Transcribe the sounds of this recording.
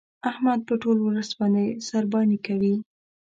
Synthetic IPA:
ahmad̪̚pəʈolwləsbɑnd̪esaɾbɑnikawi

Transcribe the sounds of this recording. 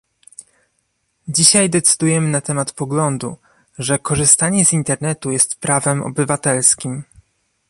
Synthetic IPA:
d͡ʑiɕajd̪ɛt̪sɘ̥d̪ujɛmɘnat̪ɛmat̪pɔɡlɔnd̪ṵ | ʐɛkɔʐɘst̪aɲɛzint̪ɛɾnɛt̪ujɛst̪pɾavɛmɔ̰bɘvat̪ɛlskʲim

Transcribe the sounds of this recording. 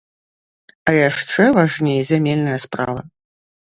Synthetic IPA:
ɐjaʂt͡ʂɛvaʐnʲejɛzʲamʲelʲnɐjɐspɾa̰vɐ

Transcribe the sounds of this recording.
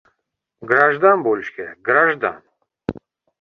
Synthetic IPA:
ɡɾaʒd̪anbolʲʃkʲɛɡɾaʒd̪a̰n

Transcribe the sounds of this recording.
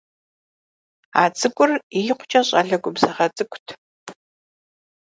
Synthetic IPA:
aːt͡sʼɨkʷʼʊrijɪqʷʊ̥t͡ʃʼɐɕʼɐɮɐɡʷʊbz̥ɐʁɐt͡sʼɨkʷʼtʰ

